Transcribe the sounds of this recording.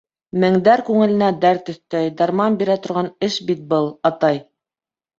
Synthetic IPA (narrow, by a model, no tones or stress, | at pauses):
mɘ̆ŋd̪æɾkʉŋɘ̆lɘ̆næd̪æɾt̪ɵ̆θt̪æjd̪ɑɾmɑmbiɾæt̪ŏɾʁɑnɘʃbit̪̚bɤlˠɑt̪ɑj